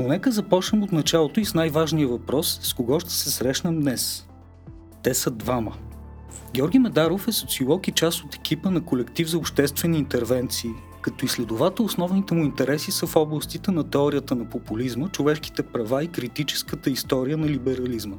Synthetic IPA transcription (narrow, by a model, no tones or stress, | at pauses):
nonɛkəzɐpɔt͡ʃnɛmot̪nɐt͡ʃalˠot̪oisnajvaʒniəvɐpɾɔsːkoɡɔʃt̪ɛ̥sɛsɾɛʃnəmd̪nɛs | t̪ɛsəd̪vamə | ɡʲɔɾɡʲimɛd̪aɾofɛsot̪siolˠɔkit͡ʃast̪ot̪ɛ̥kʲipənɐkolɛkt̪ivzɐopʃt̪ɛst̪vɛniːnt̪ɛɾvɛnt̪siː | kɐt̪ɔislɛd̪ʊvat̪əosnɔvnit̪ɛmuint̪ɛɾɛsisəfɔblˠəst̪it̪ɛnɐt̪ɛɔɾijət̪ənɐpopulizmət͡ʃovɛʃk̟i̥t̪ɛpɾɐvaikɾit̪it͡ʃɛ̥skət̪əist̪ɔɾijənɐlibɛɾɐlizmə